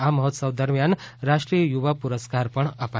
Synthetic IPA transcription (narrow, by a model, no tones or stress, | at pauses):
amʌɦɔt̪sʌbd̪ʌɾmjanɾaʂʈɾijəjuʋapuɾəskaɾpʌɳʌpa